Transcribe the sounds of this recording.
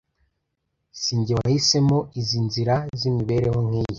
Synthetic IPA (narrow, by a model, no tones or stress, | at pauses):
siːɲɟiwahise̞mo̞izinziɾazimiβe̞ɾe̞ho̞ŋ̥hiːje